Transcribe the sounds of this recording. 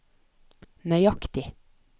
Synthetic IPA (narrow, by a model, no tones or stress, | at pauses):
nœʏɑkt̪ɪ